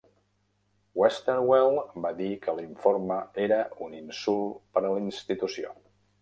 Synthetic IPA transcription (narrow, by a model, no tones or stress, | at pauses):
wɛst̪əɾwɛlˠbad̪ikəliɱforməeɾəuninsulˠpəɾəlinst̪it̪usio̰